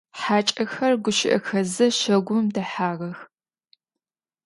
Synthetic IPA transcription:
ħaːt͡ʃʼɐxɐrɡʷʊʃɪ̰ʔɐ̰xɐzɨʃɐɡʷʊmdɐħaːʁɐx

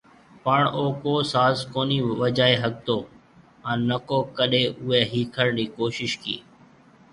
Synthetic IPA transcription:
pəɳoːkoːsaːzkoːniːʋəd͡ʒaːeɦək̚t̪oː | ɛ̃ːnəkoːkəɗeːʔʊɦeːɦiːkʰəɽɳɖiːkoːʃɪʃkḭː

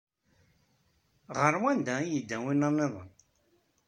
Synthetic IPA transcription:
ʁəɾwænd̪æjəd̪ːæwinənːeðˤə̰n

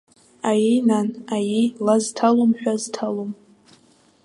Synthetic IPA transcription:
ajinanajilaztʰalomħᶣaztʰalom

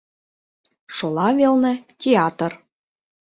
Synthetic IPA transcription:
ʃolˠɑvelnə̆tʲeɑt̪ə̆r

